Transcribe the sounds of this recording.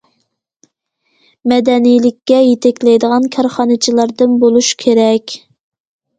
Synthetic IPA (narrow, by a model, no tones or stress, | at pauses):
mɛd̪ɛnijlɪkʲːɛjet̪ʰɛkʲlɛjd̪əʁɑnkʲʰɑɾχɑnɨt͡ʃʰilˠɑɾd̪ɨnbolˠuʃkʲʰeɾɛkʲ